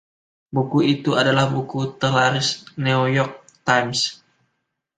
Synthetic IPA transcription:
bukuit̪uadalahbukut̪əlaɾɪsniujɔrk̚ | t̪ams

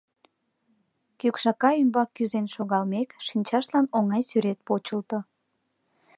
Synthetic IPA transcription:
kykʃɑkɑymbɑkːyzenʃoɣɑlmekʃinʲt͡ɕɑʃlɑnoŋɑjsyɾet̪̚pot͡ɕəlt̪o

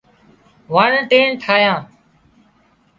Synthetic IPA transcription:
ʋaːɳːʈeːɳʈʰaːjãː

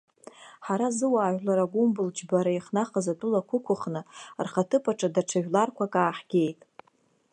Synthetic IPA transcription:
ħaɾazɨwaːʒʷᶣlaɾaɡʷumbɨld͡ʒbaɾaiχnaχazatʼulakʷʰʊkʷʊχnɨrχatʰɨpʰʼaʈ͡ʂʼadaʈ͡ʂʰaʒᶣlarkʷʰakʼaːħɡ̥ʲe̞jtʼ

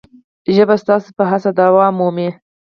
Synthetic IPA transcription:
ʒəbast̪ɑsepəɦasad̪awɑmome

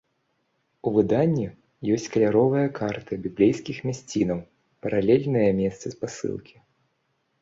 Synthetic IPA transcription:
uvɨd̪anʲːi | jɔsʲt͡sʲkɐlʲaɾɔvɨjɐkʰart̪ɨbʲiblʲɛjskʲixmʲasʲt͡sʲinɐw | pɐɾalʲɛlʲnɨjɐmʲɛtst̪sɨspasɨ̰lˠkʲi̥

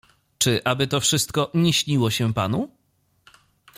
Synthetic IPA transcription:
t͡ʂɘʔabɘt̪ɔfʂɘst̪̚kɔɲɛɕɲiwɔɕɛpa̰nu

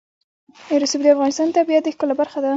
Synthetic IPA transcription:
eɾsubd̪əafɣɑnɪst̪ɑnt̪abijat̪̚d̪əxkəlabaɾxad̪a

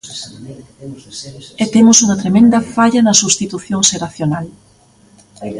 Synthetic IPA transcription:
et̪emʊsuŋɐt̪ɾemẽnd̪ɐfaʎɐnɐsuβst̪it̪uθjoŋseɾaθjonal

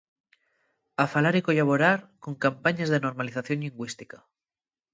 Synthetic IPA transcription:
afalaɾikoʎaβ̞oɾaɾkoŋkampaɲazðenoɾmaliθaθjo̞nʎiŋɡwist̪ika

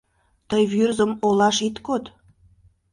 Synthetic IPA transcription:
t̪əjβyrzəmolɑʃit̪kot̪

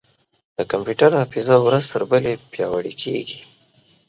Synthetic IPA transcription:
d̪̥əkampjuʈaɾnafizawɾazt̪əɾbəlepjɑwəɽikʰḛɡi

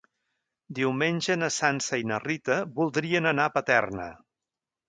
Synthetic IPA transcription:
d̪iwmenʲʒənəsansəinərit̪əβulˠd̪ɾiənənapət̪ɛrnə̰

